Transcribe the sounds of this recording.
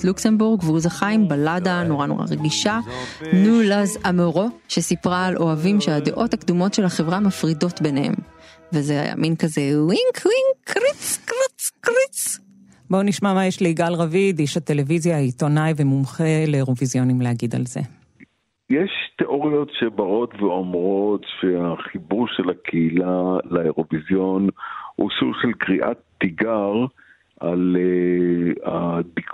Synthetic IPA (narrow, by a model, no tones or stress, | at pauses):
luksembuʁɡveuzaχajmbaladanoʁano̞̰ʁa̰ʁeɡiʃanulazamoʁo̞ʃesipʁaːlʔo̞avimʃead̪eʔo̞thakd̪umo̞tʃe̞laχevʁamafʁido̞t̪benehe̞̰m | vezea̰ja̰minkazewiŋkʰwiŋkʁit͡skʁit͡skʁit͡s | boniʃmamajeʃleiɡalʁavid̪iʃat̪e̞levizjait̪o̞najvemumχeleːʁovizjo̞nimleaɡid̪a̰lze̞̰ | jeʃteʔo̞ʁijo̞tʃebaʁo̞t̪veomʁo̞t̪ʃeaχibuʁʃelakʰeilalaeʁo̞vizjo̞nhṵsuɡʃelkʁiʔa̰t̪ːiɡaʁ | ʔa̰le | ad̪ik